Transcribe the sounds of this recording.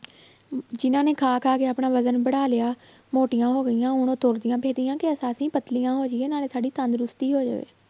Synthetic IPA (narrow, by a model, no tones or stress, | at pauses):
d͡ʒɪnãːneːkʰaːkʰaːkeːaːpɳaːʋəzənbəɽaːlɪaː | moːʈɪjãːɦoːɡəɪjãːʊñõːt̪ʊɾd̪ɪjãːpeːd̪ɪjãːkɪəsaːsĩːpət̪lɪjãːɦoːd͡ʒɪːeːnaːleːsaːɖiːt̪ənd̪ɾʊst̪iːɦoːd͡ʒa̰ːʋḛː